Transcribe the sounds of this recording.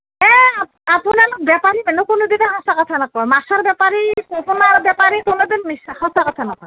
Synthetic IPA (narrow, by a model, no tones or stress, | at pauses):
ɛa | apunaɾbɛpaɾibɛnokonod̪ineɦɔ̃sakɔt̪ʰanakɔmasaɾbɛpaɾikoponaɾbɛpaɾikonod̪inmishɔ̃sakɔt̪ʰanakɔ